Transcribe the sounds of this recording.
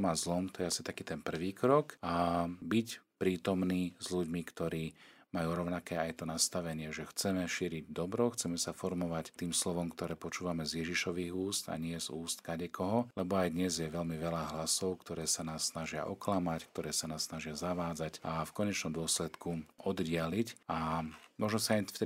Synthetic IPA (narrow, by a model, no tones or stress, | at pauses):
mazlɔmt̪ɔjɛasi̥t̪akiːt̪ɛnpr̩ʋiːkɾɔkabicpɾiːt̪ɔmniːzʎuɟmikt̪ɔɾiː | majuːɾɔʊnakɛːajt̪ɔnast̪aʋɛɲɪɛʒɛxt͡sɛmɛʃiːɾiɟ̚d̪ɔbɾɔxt͡sɛmɛsafɔɾmɔʋact̪iːmslɔʋɔmkt̪ɔɾɛːpɔt͡ʃuːʋamɛzjɛʒiʃɔʋiːɣuːst̪a̰ɲɪɛzuːst̪kaɟɛkʰɔɦɔlɛbɔajd̪ɲɛzjɛʋɛlmiʋɛlaɦlasɔʊkt̪ɔɾɛːsanaːsːnaʒɪa̰ʔɔklamack̚t̪ɔɾɛːsanaːsːnaʒɪazaʋaːd͡zacʔafkɔɲɛt͡ʃnɔmd̪ʊɔslɛt̪kuʔɔd̪ɟɪalicamɔʒnɔsaajfɛ